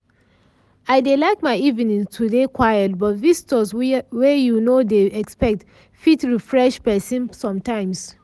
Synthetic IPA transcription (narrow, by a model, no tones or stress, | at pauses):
aɪdelaɪkmaɪivĩnĩŋtʰudekʰwajɛt̚bɔtvistɔswɛjunodeɛkspɛk̚t | fitɹifɹɛʃpɛsĩnsɔ̃mtãɪ̃ms